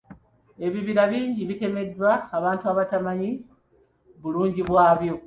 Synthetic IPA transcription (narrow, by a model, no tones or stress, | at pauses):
e̞βiβiɾaβiːɲɟiβite̞me̞dːwaːβaːntuaβatamaɲi | βuluːɲɟiβwaːβjo̞